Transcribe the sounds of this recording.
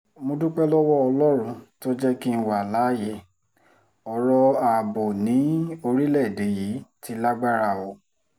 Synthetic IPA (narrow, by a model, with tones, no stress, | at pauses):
mõ˧dũ˦k͡pɛ˦lɔ˦wɔ˦ɔ˧lɔ˦ɾ̃ũ˧to˦d͡ʒɛ˦ki˦n̩˦wa˨la˨˦je˧˨ | ɔ˨ɾɔ˧a˨bo˨nĩ˨˦o˧ɾi˦lɛ˦˨de˨ji˨˦ti˨˦la˦ɡ͡ba˦ɾa˦˨ɔ˨˦